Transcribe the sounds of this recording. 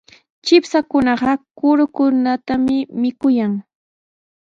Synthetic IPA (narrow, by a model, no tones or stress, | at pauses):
t͡ʃɪpsakʊnɑɢɑkʊɾʊkʊnat̪amɪmɪkʊjaŋ